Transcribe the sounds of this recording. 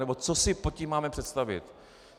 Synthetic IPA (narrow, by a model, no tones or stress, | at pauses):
nɛbo̞t͡sosɪpocimːaːmɛpr̥ɛt̪st̪avɪ̰t̪